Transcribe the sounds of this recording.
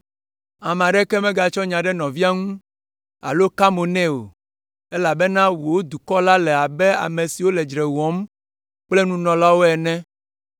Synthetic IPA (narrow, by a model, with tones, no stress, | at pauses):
a˨m˨ã˨ɖɛ˦kɛ˦mɛ̃˦ɡa˨t͡ʃɔ˦ɲã˨ɖɛ˦nɔ̃˨vi˦a˦ŋũ˦ | a̰˨lo˦ka˦mo˨nɛ̃˦o̰˨ | ɛ˦la˨bɛ˦nã˦wo˨wo˦d̪u˨kɔ˦la˦lɛ˨a˨bɛ˦a̰˨mẽ˨si˨wo˦lɛ˨d͡ʒɾɛ˨wɔ̃˦m | k͡plɛ˦nũ˦nɔ̃˨la˦wo˦ɛ˨nɛ̃˦